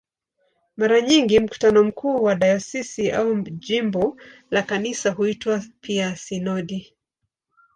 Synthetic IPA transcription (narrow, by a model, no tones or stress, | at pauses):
maɾaɲiŋɡim̩ku̥tanɔm̩kʰuːwaɗajɔsisiʔauʄimbɔlakanisaɦuitwapʰiasinɔɗi